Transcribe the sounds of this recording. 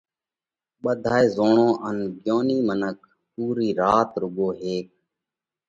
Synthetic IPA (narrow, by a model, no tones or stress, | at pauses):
ɓəd̪ʱaːeːzoːɳõːʔənɡjoːniːmənək̚ | puːɾiːɾaːt̪ɾʊɠoːɦeːk̚